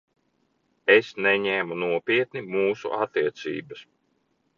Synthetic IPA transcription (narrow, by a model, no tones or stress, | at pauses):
esnɛɲɛːmunuɔpʲiɛt̪nimuːsṵʔat̪ːiɛt̪sḭːbɐs